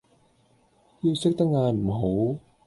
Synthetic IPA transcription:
jiː˧wsɪ˥k̚t̪ɐ˥k̚ŋaː˧nm̩˨˩ɦo˨˥w

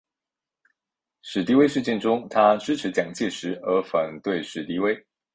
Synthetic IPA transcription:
ʂɻ̩˨˩t̪i˥we˥ɪʂɻ̩˥˧t͡ɕjɛ˥˧nʈ͡ʂʊ˥ŋt̪ʰa˥ʈ͡ʂɻ̩˥ʈ͡ʂʰɻ̩˧˥t͡ɕjɑ˨˩ŋt͡ɕjɛ˥˩ʂɻ̩˧˥ə˧˥fə˨˩nt̪we˥˩ɪʂɻ̩˨˩t̪i˧˥we˥ɪ

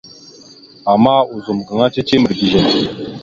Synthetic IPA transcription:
a˨maː˦u˨zu˨mɡə˨ŋa˦t͡ʃe˦t͡ʃe˦mə˨ɾdi˨ʒe˨n

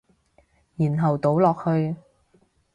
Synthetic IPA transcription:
jiː˨˩nɦɐ˨wt̪o˨˥wlɔː˨k̚hɵ˧ɥ

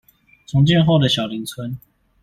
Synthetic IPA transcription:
t͡sʰʊ˧˥ŋt͡ɕjɛ˥˧nxo˥˩ʊd̪ə˩ɕjɑ˨˩ʊli˨˦ŋt͡sʰwə˦n

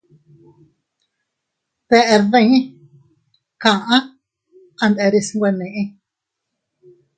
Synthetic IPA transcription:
t̪e˧ʔe˧ɾðẽ˦˧˦ | kã˧˨ʔã˦ | ã˧nd̪e˧ɾi˧sŋɡʷe˧nẽ˨ʔĩ˧

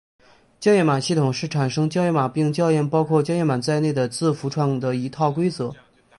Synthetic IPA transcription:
t͡ɕjɑ˥˧jɛ˥˩ma˨˩ɕi˥˩t̪ʰʊ˨˩ŋʂɻ̩˥˩ʈ͡ʂʰa˨˩nʂɤ˥ŋt͡ɕjɑ˥˧ʊjɛ˥˩ma˨˩pi˥˧ŋt͡ɕjɑ˥˧ʊjɛ˥˩npɑ˥ʊkʰwɔ˥˧t͡ɕjjɛ˥˩nma˨˩t͡sa˥˧ɪne˥˩ɪd̪ə˩t͡sɹ̩˥˩fu˧˥ʈ͡ʂʰwɑ˨˩ŋd̪ə˩i˧˥t̪ʰɑ˥˩ʊkwe˥ɪt͡sɤ˧˥

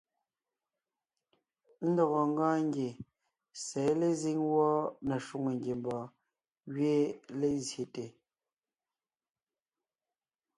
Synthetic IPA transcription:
n̩˦dɔ˨ɣɔ˨ŋ˦ɡãː˦ŋ˦ɡje˨ | sɛː˨˦le˦zi˦ŋwɔ˦nɛ˨ʃu˦ŋe˨ŋɡje˨m˨bɔː˨ | ɣɥe˦le˨˦zje˨te˨

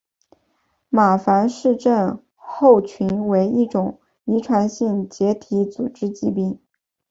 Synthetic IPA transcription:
ma˨˩fa˧˥nʂɻ̩˥˧ʈ͡ʂə˥˧n | xo˥˩ʊt͡ɕʰy˧˥nwe˧˥ɪi˥˩ʈ͡ʂʊ˨˩ŋ | i˧˥ʈ͡ʂʰwa˧˥nɕi˥˩ŋt͡ɕjɛ˧˥t̪ʰi˧˥t͡su˨˩ʈ͡ʂɻ̩˥t͡ɕi˥˧p̬i˥˩ŋ

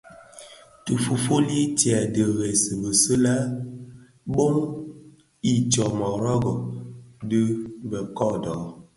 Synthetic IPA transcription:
tu˨fu˨fo˦li˦tja˨də˨ɣɛ˨sə˨bə˨sə˦la˦ | bo˦m | i˦t͡ʃɔ˨mɔ˨ɾɔ˦ɡɔ˨də˦bɛ˨kɔ˦˨dɔ˨

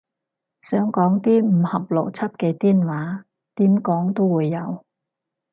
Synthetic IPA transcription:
sœː˨˥ŋkɔː˨˥ŋt̪iː˥m̩˨˩hɐ˨˩p̚lo˨˩wt͡sʰɐ˥p̚ke˧t̪iː˥˩nwaː˨˥ | t̪iː˨˥mkɔː˨˥ŋt̪o˥wwuː˨˧jːɐ˨˧w

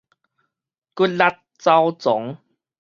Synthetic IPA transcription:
ku˦˥t̚la˦t̚t͡sa˦wt͡sɔ˨˦ŋ

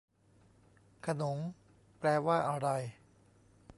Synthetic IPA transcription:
kʰa˧no˩˦ŋ | plɛː˧waː˥˩ʔa˧ɾa˧j

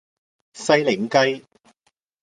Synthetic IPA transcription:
sɐ˧jlɪ˨˩ŋkɐ˥˧j

